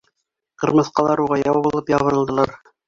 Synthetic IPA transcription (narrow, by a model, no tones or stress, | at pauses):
qɤ̆ɾmɤ̆θqɑlˠɑɾuʁɑjɑwɑbŭlˠɤpjɑβɤ̆ɾɤ̆lˠd̪ɤ̆lˠɑɾ